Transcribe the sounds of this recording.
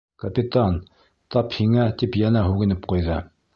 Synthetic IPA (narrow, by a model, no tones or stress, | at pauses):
kɐpʲit̪an | t̪ɒphiŋæt̪ipjænæɦʉɣɘ̆nɘp̚qujðɤ